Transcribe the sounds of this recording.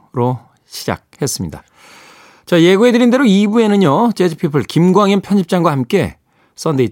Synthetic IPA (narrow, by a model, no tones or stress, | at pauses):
ɾo | ɕʰi̥d͡ʑa̰k̚he̞s͈ɯmɲḭda̰ | t͡ɕaje̞ɡue̞dɯɾinde̞ɾoibue̞nɯɲot͡ɕed͡ʑʰipʰipʰɯɭkimɡwaŋinmpʰjʌnɕʰip̚t͡ɕ͈aŋɡwahamk͈e̞̰ | s͈ʌndei